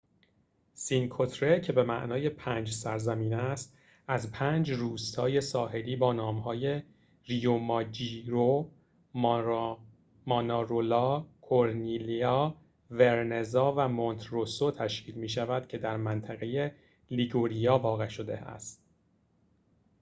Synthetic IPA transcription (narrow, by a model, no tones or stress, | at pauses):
sinkʰot̪ʰɾecʰe̞be̞mæ̰ʔnɒːje̞pʰæːnd͡ʒsæɾzæmiːnæst̪ | æzpʰæːnd͡ʒruːst̪ʰɒːje̞sɒːɦe̞liːbɒːnɒːmhɒːje̞ | ɾijomɒːd͡ʒiɾo | mɒːnɑɾolɒːkʰoɾniliɒː | veɾne̞zɒːvæmont̪ʰɾosot̪ʰæʃcʰiːlmiːʃævæd̪̥cʰe̞d̪æɾmænt̪ʰæɣe̞je̞ | liɡoɾijɒːvɒːɣe̞ʃo̞d̪e̞̰æ̰st̪